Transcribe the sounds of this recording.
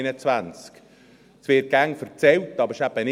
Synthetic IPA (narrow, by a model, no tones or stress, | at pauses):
nət͡svant͡sk | sʋɪːt̚ɡ̥æŋfəɾt͡sɛltːɑbəɾɪʃæbənɪ